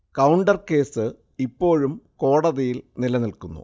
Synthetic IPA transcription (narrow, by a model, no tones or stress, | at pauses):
kɐwuɳɖɐrke̞ːsɨ | ipːo̞ːɻumko̞ːɽɐðɐjilnilɐnilkunːṵ